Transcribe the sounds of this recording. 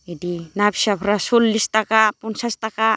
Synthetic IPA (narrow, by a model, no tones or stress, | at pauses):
idinapsapʰɾasulːist̪akapunsast̪aka